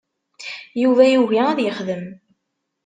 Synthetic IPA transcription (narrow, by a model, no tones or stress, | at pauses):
juvæjuʝaæðjəχðəm